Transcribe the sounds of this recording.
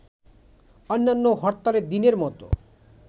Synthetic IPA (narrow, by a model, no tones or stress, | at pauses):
ɔnːanːoɦɔɾt̪aɾed̪ineɾmɔt̪o̰